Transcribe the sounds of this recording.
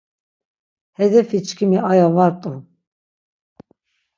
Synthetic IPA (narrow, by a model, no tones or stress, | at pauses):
hɛd̪ɛfit͡ʃʰʼkʰimiajavaɾt̪ʼu